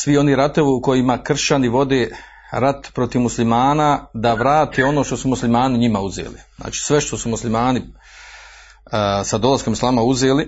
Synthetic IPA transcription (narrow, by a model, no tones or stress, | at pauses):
sʋio̞niɾat̪oʋiuko̞jimakr̩ʃt͡ɕaniʋo̞d̪eː | ɾat̪pɾo̞t̪iʋmuslimaːnad̪aʋɾaːt̪eo̞noːʃt̪o̞sumuslimaːniɲimauzḛːlḭzna̰ːt͡ʃi̥sʋe̞ʃt̪o̞sumuslimaːni | sad̪o̞lˠasko̞mislˠaːmauze̞ːli